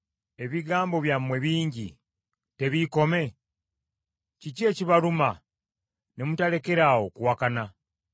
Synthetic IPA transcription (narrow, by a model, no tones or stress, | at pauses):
e̞βiɡaːmbo̞βjamwe̞βiːɲɟi | te̞βiko̞me̞ | cicie̞ːciβaluma | ne̞mutale̞ke̞ɾaːwo̞kuwakana